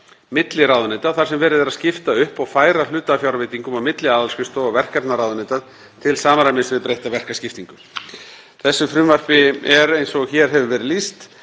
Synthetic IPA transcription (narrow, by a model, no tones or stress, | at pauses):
mɪt̪lɪɾaːwðʏneːt̪aðθḁsɛmvɛːɾɪðɛɾaðscɪft̪aʏhpawfaːjɾal̥ʏːt̪afjawɾveːt̪iŋkʏmawmɪt̪lɪaːðalskʏst̪ɔavɛr̥kɛpnaɾawðʏnet̪að | t̪ʰɪlsaːmaɾamɪnsvɪðpɾejht̪avɛr̥kascɪft̪iŋkʏ | θɛsːʏfɾʏmvar̥pɪɛɾejnsɔɣçɛɾ̥ɦɛvʏvɛːɾɪðlist̪